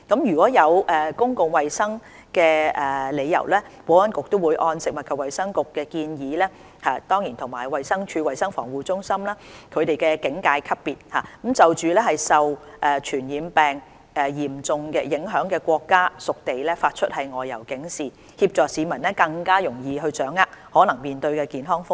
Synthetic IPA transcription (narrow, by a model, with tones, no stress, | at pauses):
kɐ˨˥mjyː˨kʷwɔː˨˥jɐ˨˧wʔɛː˨˩kʊ˥ŋkʊ˨ŋwɐ˨jsɐ˥ŋ | kɛː˧ʔɛː˨˩le˨˧jɐ̰˨˩wlɛː˥wɔː˨˥wɐ˥nkʊ˨k̚t̪o˥wu˨˧jʔɔː˧nsɪ˨k̚mɐ˨t̚kʰɐ˨wɐ˨jsɐ˥ŋkʊ˨kːɛː˧kiː˧njiː˨˦lɛː˥ | haː˨t̪ɔː˥ŋjiː˨˩nt̪ʰʊ˨˩ŋmaː˨˩jwɐ˨jsɐ˥ŋt͡ʃʰyː˧wɐ˨jsɐ˥ŋfɔ̰ː˨˩ŋwuː˨t͡sʊ˥ŋsɐ˥mlaː˥kʰɵ˨˧ɥt̪e˨jkɛː˧kɪ˨˥ŋkaː˧jkʰɐ˥p̚pːiː˨t̚haː˨kmt͡sɐ˨wt͡ʃyː˨lɛː˥hɐ˨jsɐ˨w | ʔɛː˨˩t͡ʃʰyː˨˩njiː˨˧mpɛː˨ŋ | ʔɛː˨jiː˨˩mt͡sʊ˨ŋkɛː˧jɪ˨˥ŋɦœː˨˥ŋkɛː˧kʷɔː˧kːaː˥sʊ˨k̚t̪e˨jlɛː˥faː˧t̚t͡ʃʰɵ˥t̚hɐ˨jŋɔː˨jːɐ˨˩wkɪ˨˥ŋsiː˨˩ | hiː˧p̚t͡ʃɔː˨˩ksiː˨˧mɐ˨˩nɛː˥kɐ˧ŋkaː˥jʊ˨˩ŋjiː˨˧ɦɵ˧ɥt͡sœː˨˥ŋːaː˧˥k̚hɔː˨˥nɐ˨˩ŋmiː˨nt̪ɵ˧ɥkɛː˧kiː˨nɦɔː˥ŋfʊ˥